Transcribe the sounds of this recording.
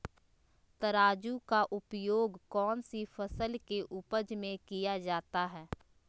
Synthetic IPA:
t̪əɾaːd͡ʒukaʔʊpjoːɡkɔːnsifəsəlkeʔʊpəd͡ʒmẽkijad͡ʒaːt̪aɦɛː

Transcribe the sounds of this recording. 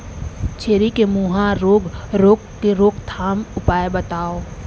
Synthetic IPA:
t͡ʃʰeːɾikemuːɦãɾoːɡɾoːk | eɾoːkt̪ʰaːmʊpaːebɐt̪aːo

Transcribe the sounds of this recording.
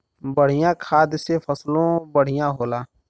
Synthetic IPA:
bəɽ̤ɪjãkʰaːd̪sepʰəslõbəɽ̤ɪjãɦoːlaː

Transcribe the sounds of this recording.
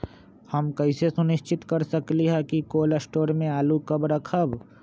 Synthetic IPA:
hɐmkɐɪsesʊnɪʃt͡ʃɪt̪kɐɾsɐkliɦɛkikoːləsʈoːɾmẽaːlukɐbɾɐkʰəb

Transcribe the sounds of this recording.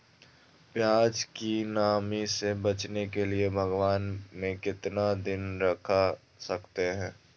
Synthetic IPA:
pjaːd͡ʒkinaːmisebɐt͡ʃnekeliebʱɐɡʋaːnmẽkɪt̪nad̪ɪnɾɐkʰa | sɐkt̪eɦɛ̃ː

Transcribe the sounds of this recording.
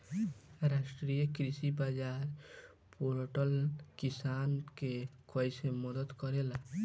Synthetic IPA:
ɾaʃʈɾijɔkɾiʃibad͡ʒaɾ | puɾoʈɔlkisankekɔjsemɔd̪ɔd̪kɔɾela

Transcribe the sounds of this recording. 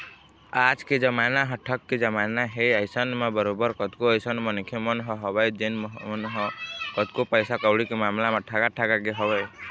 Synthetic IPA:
ad͡ʒked͡ʒəmanaɦəʈʰəkːed͡ʒəmanaɦejəɪsənmebəɾobəɾkət̪koəjsənmənkʰemənɦɔ̃ɦɔbəjd͡ʒenmnɦɔkət̪kopəjsakəɽikemamlamaʈʰaɡaʈʰaɡaɡeɦɔbəj

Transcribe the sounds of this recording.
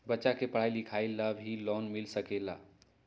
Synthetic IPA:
bətːʃakepəɽ̤ajlikʰailabʱilɔnmilsəkela̰

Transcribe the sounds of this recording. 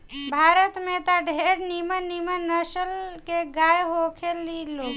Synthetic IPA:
bʱaɾət̪met̪aɖʱeɾnimənimənəsəlkeɡajɦokʰeliloɡ

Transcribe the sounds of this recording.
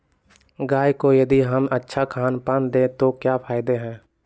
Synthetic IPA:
ɡaːjkojɐd̪iɦəmətːʃʰakʰaːnpənd̪ẽːt̪okjaːpʰaːɪd̪eɦɛ̃ː

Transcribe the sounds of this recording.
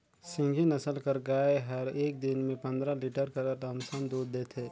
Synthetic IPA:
sɪ̃ŋɡʱinɐsəlkəɾɡaːeɦɐɾeːk̚d̪ɪnmẽpɐ̃nd̪ɾaliːʈəɾkɐɾɾəmsənd̪uːd̪ːeːt̪ʰeː

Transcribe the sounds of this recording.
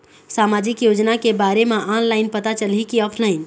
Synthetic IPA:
saːmaːd͡ʒɪkjoːd͡ʒnakebaːɾemãʔanlaːɪnpət̪at͡ʃəlikiɔːpʰlaːɪn

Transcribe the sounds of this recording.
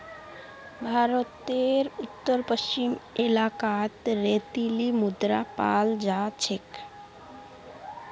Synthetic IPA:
bʱaɾot̪eɾut̪ːoɾpəst͡ɕimelakat̪ɾet̪ilimud̪ɾa̰pa̰ld͡ʑat͡ɕʰek

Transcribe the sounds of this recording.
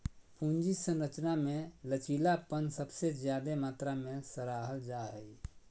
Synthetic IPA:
pũnd͡ʒisə̃nɾət͡ʃnamẽlət͡ʃilapənsəbsed͡ʒjad̪emaːt̪ɾamẽsəɾaːɦəld͡ʒaɦəi

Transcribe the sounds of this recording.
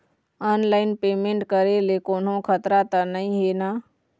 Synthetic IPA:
ənlaɪnpemẽɳʈkəɾelekoːnɦõkʰət̪ɾat̪ənəĩɦena

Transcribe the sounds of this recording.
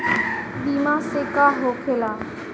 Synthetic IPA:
biːmãːseːkaːɦoːkʰeːlaː

